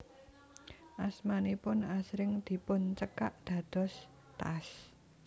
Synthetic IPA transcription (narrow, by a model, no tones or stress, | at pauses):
ʔasmanipʊnasɾɪŋd̪̥i̤pʊnt͡ʃəkaʔd̪̥ä̤d̪̥ɔ̤s | t̪a̰s